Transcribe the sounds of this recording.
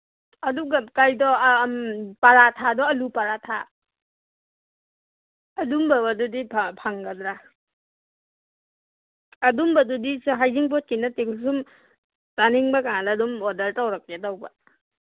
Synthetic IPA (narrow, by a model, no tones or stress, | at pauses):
ɐduɡakajdɔmpaɾatʰadɔɐlupaɾatʰa | dumbabadudipʰapʰaŋɡadɾa | dumbɐdudisɦajziŋpɔt̚kinatekls̬um | taniŋbakaŋaladumɔdɐltawɾak̚ledawba